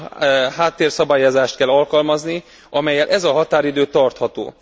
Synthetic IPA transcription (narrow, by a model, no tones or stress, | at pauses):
haːt̪ːeːrsɒbaːjozaːʃt̪kɛlɒlkɒlmɒzni | ʔɒmɛjːɛlʔɛzɒɦɒt̪aːɾid̪øːt̪ɒrt̪hɒt̪o̰ː